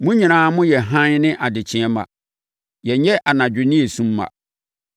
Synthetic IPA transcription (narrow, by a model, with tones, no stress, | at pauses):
mʊ̃˦ɲĩ˨nãː˨˦mʊ̃˦jɛ˨ɦã˦ɲ˦nɪ̃˦ʔa˨dɪ˨t͡ɕʰɪ̃˦ɛ˦mã̰˨ | jɛ˨˦ɛ˦ʔa˨nã˨d͡ʑᶣɪ˨nɪ̃˦e˨sũ˦mːã̰˨